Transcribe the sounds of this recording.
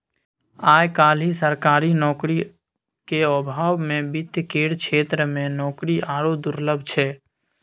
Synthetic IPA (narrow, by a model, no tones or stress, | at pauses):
aːjkaːlisəɾkaːɾinɔːkɾi | keɔbʱaːwmẽbɪt̪jəkeːɽkʰʃʰeːt̪ɾəmẽnɔːkɾiʔaːɽod̪ʊɾləbʱt͡ʃʰɛː